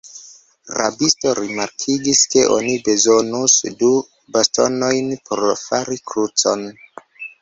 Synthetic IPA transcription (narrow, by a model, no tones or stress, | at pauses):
ɾa̰bisto̞ɾimaɾkʰiɡiske̞ʔo̰nibe̞zo̞nusdu | basto̰no̞jnpʰoɾfaɾikɾut͡so̞n